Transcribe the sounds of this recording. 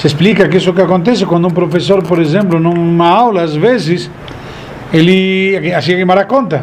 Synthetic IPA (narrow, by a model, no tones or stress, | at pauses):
sesplikakesʊkɪakõnt̪̬esɪkwãnd̪ʊumpɾofesoɾpoɾes̬ẽmplʊnũumaawlaːzβes̬ɪs | eliakeasiakemaɾakõnt̪ɐ